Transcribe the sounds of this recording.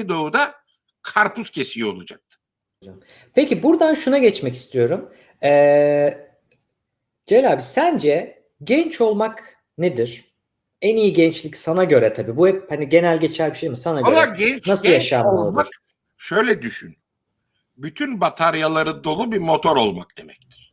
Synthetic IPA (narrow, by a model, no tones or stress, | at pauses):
id̪o̞ud̪a | kʰaɾpʰuscʰe̞sio̞lˠad͡ʒak̚t̪ʰɯ̥ | od͡ʒa | pʰecibuɾd̪anʃunaɟɛt͡ʃmɛci̥st̪ʰijo̞ɾum | ɛ | d͡ʒelʲaːbisænd͡ʒɛ | ɟɛnt͡ʃʰo̞lˠmak | ned̪iɾ̥ | ænijiɟɛnt͡ʃlʲicsanaɟø̞ɾɛt̪ʰabiːbuhɛphaniɟe̞nælʲɟet͡ʃʰæɾbiʃejmisanaɡɟoɛanasɯlˠjjaʃaːmalˠamaɾk | ʃø̞jlʲɛd̪yʃyn | byt̪ʰynbat̪ʰaɾjalˠaɾɯd̪o̞lˠubimo̞t̪ʰo̞ɾo̞lˠmak̚d̪̥e̞mɛct̪ʰi̥ɾ̥